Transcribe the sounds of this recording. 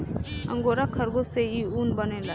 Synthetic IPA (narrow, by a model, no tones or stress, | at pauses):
ə̰̃ŋɡoɾakʰəɾɡoseiuːnbənẽla